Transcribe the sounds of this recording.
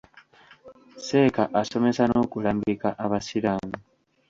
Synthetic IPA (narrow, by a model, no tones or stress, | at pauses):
se̞ːkaʔaso̞me̞sano̞kulaːmɡikaʔaβasiɾaːmi